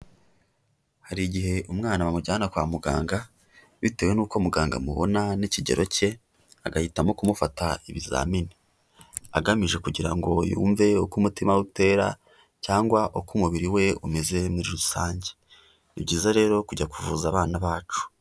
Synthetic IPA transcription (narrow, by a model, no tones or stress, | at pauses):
haɾiɟihe̞ʔumŋaːnawamuɟaːnakwaːmuɡa̰ːŋɡa | βite̞we̞nuːko̞muɡaːŋɡa̰mṵβo̞̰naniciɟḛɾo̞ce̞ | aɡahitamo̞kumufataḭβiza̰ːmini | aɡamiʒe̞kuɟiɾaŋɡo̞jṵːɱve̞okumutimaute̞ːɾa̰ | caːŋɡwaʔokumuβiɾiwe̞umeze̞muɾiɾusaːɲɟe | ibɟiːzaɾe̞ːɾo̞kuɟakuvuzaβaːnaβaːt͡ʃu̥